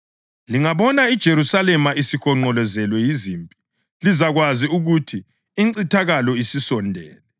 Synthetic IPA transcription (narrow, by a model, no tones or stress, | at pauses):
liŋaβɔnaid̥ʒ̥ʱeɾusalɛmaisixɔŋ͡ǃɔlɛzɛlwɛjizimpʼi̥ | lizaɣwaziuɣutʰiː | ǀitʰaɣalɔisisɔndʱɛ̰ːlɛ